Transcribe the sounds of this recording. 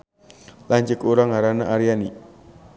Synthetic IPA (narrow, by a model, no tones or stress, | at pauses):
laɲt͡ʃɪkuɾaŋaɾana̰ʔaɾijani